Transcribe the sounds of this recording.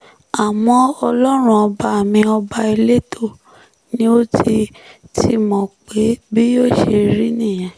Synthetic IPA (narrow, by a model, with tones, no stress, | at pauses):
a˨w̃ɔ̃˧ɔ˧lɔ˦ɾ̃ũ˦ɔ˧ba˧a˨mĩ˧ɔ˧ba˧i˧le˦to˦˨ | nĩ˦o˦ti˧tʰi˧mɔ̃˨k͡pe˨˦bi˦jo˦˨ʃe˧ɾi˦nĩ˦˨j̃ã˨